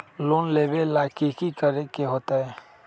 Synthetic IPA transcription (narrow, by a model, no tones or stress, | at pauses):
loːnleːbelaːkikikəɾekeɦoːt̪aɦɛː